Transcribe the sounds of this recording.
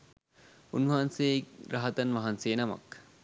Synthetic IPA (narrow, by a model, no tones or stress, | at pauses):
unʋɐɦɐnsejɾɐɦɐt̪ɐnʋɐɦɐnseːnɐmɐ̰k